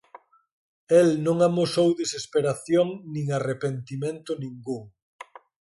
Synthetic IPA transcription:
elnõŋamosowðesespeɾaθjoŋnĩŋarepent̪imẽnt̪ʊnĩŋɡuŋ

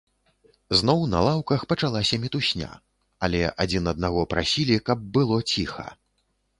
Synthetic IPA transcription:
znɔwnɐ̰lˠawkɐxpɐt͡ʂalˠasʲɐmʲit̪usʲnʲa̰ | ɐlʲɛʔad͡zʲinɐd̪̚naɣɔpɾasʲilʲikɐb̚ːɨlˠɔt͡sʲixɐ̰

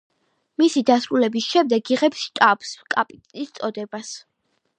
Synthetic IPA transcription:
misid̪asɾulɛbisʃɛmd̪ɛɡiʁɛpsʃt̪ʼapskʼapʼit̪ʼist̪sʼɔd̪ɛbas

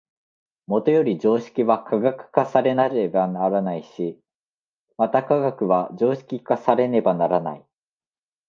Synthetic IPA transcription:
mo̞t̪o̞jo̞ɾʲid͡ʑo̞ːɕi̥kʲiβakʰaɡakɯ̟̥kasaɾe̞naɾebanaɾanaiɕi | mat̪akaɡakɯ̟βad͡ʑo̞ːɕi̥kʲikasaɾe̞ne̞banaɾana̰i

